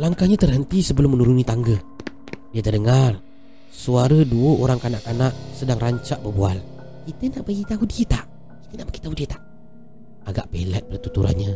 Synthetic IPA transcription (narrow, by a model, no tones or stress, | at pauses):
laŋkaɲat̪ərɦənt̪isəbəlʊmːənuɾunit̪aŋɡə | diət̪ərdəŋar | suaɾəduəoɾaŋkanaʔkanaʔsədaŋraɲt͡ʃaʔbərbual | kit̪ənaʔbaɡit̪aɦudiət̪aʔ | ki̥t̪ənaʔb̥aɡi̥t̪aɦudiət̪ḁʔ | aɡaʔpḛlɛt̪̚bərt̪ut̪uɾa̰nɲə